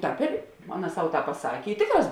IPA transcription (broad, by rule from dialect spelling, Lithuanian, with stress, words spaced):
ˈtɑːp ɪr ˈɑːˌnɐ ˈsɐʊ ˈtɑːp pɐˈsɑːkʲeː ɪ ˈtʲeːkˌrɑːs